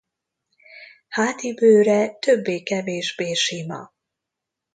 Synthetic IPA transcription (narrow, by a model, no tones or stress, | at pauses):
haːt̪ibøːɾɛt̪ø̞bːeːkɛveːʒbeːʃimɒ̰